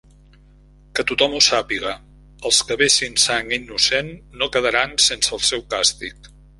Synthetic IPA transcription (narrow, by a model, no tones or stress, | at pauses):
kət̪ut̪ɔmusapiɣə | əlˠskəβesinsaŋinːusenːokəðəɾansensəːlˠsɛwkast̪ik